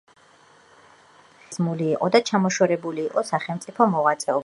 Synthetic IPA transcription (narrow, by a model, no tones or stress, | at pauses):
zmuliːqʼɔd̪at͡ʃʰamɔʃwɛɾɛbuliːqʼɔsaχɛlˠmt̪sʼipʰɔmɔʁat̪sʼɛɔb